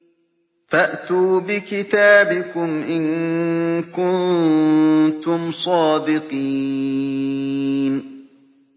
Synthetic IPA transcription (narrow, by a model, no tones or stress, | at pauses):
faʔt̪uːbɪkɪt̪aːbɪkʊmʔɪn | kʊn | t̪ʊmsˤɑːd̪ɪqi | n